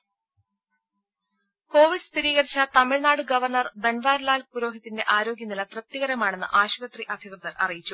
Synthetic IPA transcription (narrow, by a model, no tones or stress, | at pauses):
ko̞ːʋiɖɨst̪iɾiːɣɐɾit͡ɕːɐt̪ɐmiɻnaːɽɨɡɐʋɐrɳɐrbɐnʋaːɾlaːlpuɾo̞ːɦit̪ːinde̞ʔaːɾo̞ːɡjɐnːilɐt̪rɨt̪ːiɣɐɾɐmaːɳe̞nːɨ̰ʔaːɕuʋɐt̪riʔɐd̪ʱikrɨðɐɾʔɐ̰rijit͡ɕːu